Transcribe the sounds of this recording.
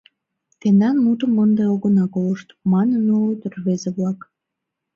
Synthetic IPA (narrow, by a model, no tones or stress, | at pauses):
t̪end̪ɑnmut̪əmːənd̪eoɣənɑkoləʃt̪mɑnənolot̪ərβezeβlɑk